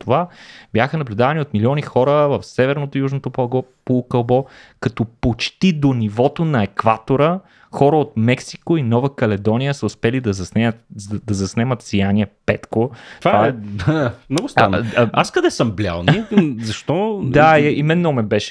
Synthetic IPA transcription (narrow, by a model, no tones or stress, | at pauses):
t̪ovab̥jaxənɐblʲud̪avɐniot̪milʲiɔnixɔɾəvɐfsɛvɛɾnot̪ojuʒnot̪opokɐlˠbɔkɐt̪ɔpot͡ʃt̪id̪onivɔt̪onɐɛkvat̪oɾə | xɔɾəot̪mɛksi̥koinɔvəkɐlɛd̪ɔnijəsəʊspɛlid̪ɐzɐsnɛt̪d̪ɐzɐsnɛmət̪sijaniɛpɛt̪kot̪vaaɛ | mnɔɡʊst̪anaskɐd̪ɛsəmblʲa̰lˠnizɐʃt̪ɔd̪aimɛnːomɛbɛʃɛ̥